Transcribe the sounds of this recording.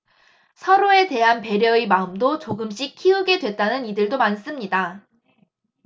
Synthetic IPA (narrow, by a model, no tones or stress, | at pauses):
sʰʌɾoe̞te̞ɦanpe̞ɾjʌimaɯmdot͡ɕoɡɯmɕ͈ikʰiɯɡe̞dwe̞t̚t͈anɯnidɯɭdomans͈ɯmɲida